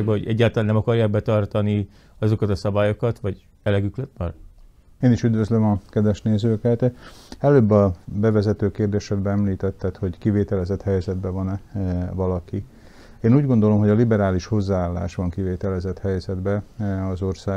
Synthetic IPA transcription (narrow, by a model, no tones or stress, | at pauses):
ɡ̚bɛɦoɟɛɟːaːlt̪ɒlanːɛmɒkɒrjaːɡ̚bɛt̪ɒrt̪ɒni | ɒzo̞kɒt̪ɒsɒbaːjo̞kɒt̪ʋɒɟ | ɛlɛɡyklɛt̪̚bɒr | eːniʃyd̪vøzlømɒkɛd̪vɛʃneːzøːkɛt̪ɛløːbːɒbɛvɛzɛt̪øːkeːrd̪eːʃɛd̪̚bɛɛmliːt̪ɛt̪ːɛt̪ho̞ɟkiveːt̪ɛlɛzɛt̪hɛjzɛd̪bɛvɒnvɒlɒki | eːnuːɟɡo̞nd̪o̞lo̞mɦo̞ɟɒlibɛɾaːliʃho̞zːaːaːlːa̰ːʃʋɒŋkiveːt̪ɛlɛzɛt̪hɛjzɛd̪bɛɒzo̞rsaː